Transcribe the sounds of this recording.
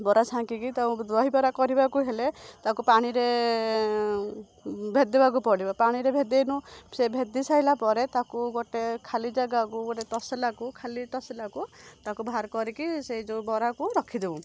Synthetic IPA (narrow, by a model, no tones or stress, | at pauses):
bɔɾasʰãŋkikit̪aũd̪ɾɔɦibɔɾakɔɾibakuɦelet̪akupaɽ̃iɾe | bʱed̪ebak̬upɔɽibapaɽ̃iɾebʱed̪enũsebʱed̪isaɦilapɔɾet̪akuɡoʈekʰalid͡ʒaɡakuɡɔʈet̪ɔselakukʰalit̪ɔselakut̪akubʱaɾkɔɾikiseid͡ʒobɔɾakuɾɔkʰid̪ebũ